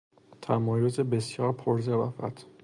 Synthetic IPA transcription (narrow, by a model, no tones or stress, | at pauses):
t̪ʰæmɒːjozebesjɒːɾpʰoɾzevæfæ̰t̪ʰ